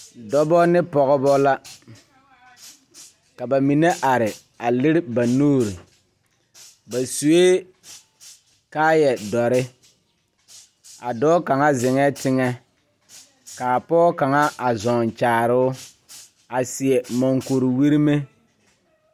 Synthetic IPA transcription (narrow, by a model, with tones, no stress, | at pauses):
dɔ˦bɔ˦nɪ˦pɔ˨ɣɔ˦bɔ˦la˦ | ka˨ba˨mi˨ne˦ʔa˨ɾɪ˨ | a˨lɪ˦ɾɪ˦ba˨noː˦˨ɾi˨ | ba˨su˨eː˦ | kaː˦jɛ˨dɔ˨ɾɪ˦ | a̰˨dɔː˦ka˨ŋa˦zɪ˨ŋɛ˦tɪ˦ŋɛ˦ | kaː˨a˨pɔː˦ka˨ŋa˦ʔa˨zɔ˨n˨t͡ʃaː˨ɾʊ˦ | a˨sɪ˨ɛ˨mɔ˨ŋko˨ɾi˨wi˦ɾi˦me˦